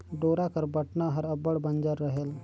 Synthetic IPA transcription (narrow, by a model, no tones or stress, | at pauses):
ɖoːɾakəɾbəʈnaɦəɾəbəɽbənd͡ʒəɾːəɦeːl